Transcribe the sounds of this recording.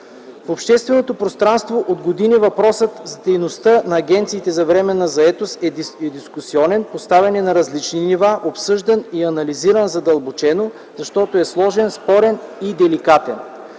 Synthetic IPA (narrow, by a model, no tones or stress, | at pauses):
fopʃt̪ɛst̪vɛnot̪opɾost̪ɾanst̪voʔod̪ɡod̪inivɐpɾɔsət̪zɐd̪ɛjnost̪ənɐːɡʲɛnt̪siːt̪ɛzɐvɾɛmɛnːɐzɐɛt̪osɛɛd̪iskusiɔnɛnpost̪avʲɐnɛnɐɾɐzlit͡ʃninivaʔopsɤʒd̪ɐniɐnɐliziɾənzɐd̪ɐlˠbot͡ʃɛno | zɐʃt̪ɔt̪oɛslˠɔʒɛnspɔɾɛnid̪ɛlikat̪ɛn